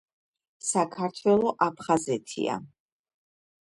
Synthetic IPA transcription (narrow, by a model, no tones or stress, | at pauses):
sakʰaɾt̪ʰwɛlˠɔʔapʰχazɛt̪ʰḭa̰